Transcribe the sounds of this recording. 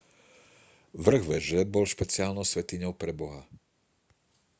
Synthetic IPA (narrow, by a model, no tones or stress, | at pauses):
ʋr̩ɣʋɛʒɛbɔlʃpɛt͡sɪaːlnɔʊsʋɛt̪iɲɔʊpɾɛbɔɦa